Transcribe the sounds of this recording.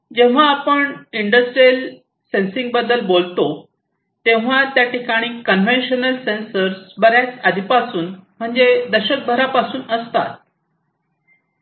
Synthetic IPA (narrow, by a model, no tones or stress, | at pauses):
d͡ʑẽʋ̤aːpəɳiɳɖəsʈɾiel | sensĩŋɡ̚bəd̪əlbolt̪o | t̪ẽʋ̤at̪jaʈikaɽ̃iːkənʋẽnɕənəlsensəɾsbəɾjat͡sad̪ʱipasuːnm̤əɳd͡zed̪əɕək̚bʱəɾapasuːnəst̪a̰t̪̚